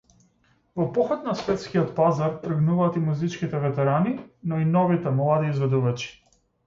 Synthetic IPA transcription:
vɔpɔxɔt̪nasvɛt̪skiɔt̪pazaɾt̪r̩əɡnuvaːt̪imuzit͡ʃkit̪ɛvɛt̪ɛɾaninɔinɔvit̪ɛmlˠad̪iːzvɛd̪uvat͡ʃi̥

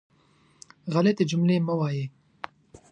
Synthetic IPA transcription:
ɣalet̪ed͡ʒʊmleməwɑːje

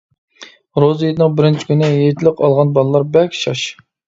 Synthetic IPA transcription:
ɾozjed̪ɪnɨŋbɪɾɪnt͡ʃʰi̥kʲʰynɪjet̪ʰɪlɪqɑlˠʁɑnbɑlˠlˠɑɾbɛkʲʃɑ̰ʃ

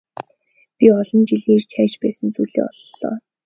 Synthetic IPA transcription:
pʲiɔɮɞ̆nt͡ɕiɮiːrt͡ɕʰæːt͡ɕpæːsə̆nt͡suːɮḭːɔ̰ɮːɔ̰ː

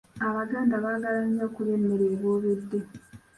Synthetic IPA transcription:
aβaɡaːndaβaːɡalaɲizakule̞mːe̞ɾeːβoːβedːe

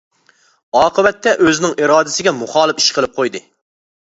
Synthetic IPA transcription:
ɑːqʰəbɛt̪ʰːɛʔøzɪnɪŋʔiɾɑːd̪ɪsɪɡʲɛmuχɑːlˠɨpi̥ʃqʰəlˠɨp̚qʰojd̪ɨ

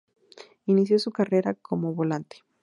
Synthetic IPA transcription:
inis̬jo̞sukare̞ɾakʰomoβolant̪e̥

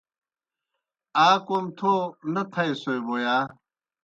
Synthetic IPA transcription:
aːkomt̪ʰonɐt̪ʰɐesojboːjaː

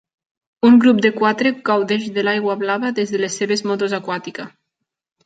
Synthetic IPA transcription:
uŋɡɾup̚d̪ekwat̪ɾeɡawðeʃðelajɣwaβlaβaðezðelesːeβezmot̪ozakwat̪ika

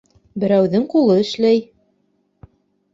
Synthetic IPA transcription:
bɘ̆ɾæwðɘŋqulˠɤɘ̆ʃlæj

